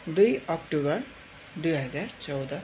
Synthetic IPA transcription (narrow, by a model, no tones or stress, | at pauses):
d̪ujʌkʈubʌɾ | d̪ujɦʌd͡zaɾt͡sʌwd̪ʌ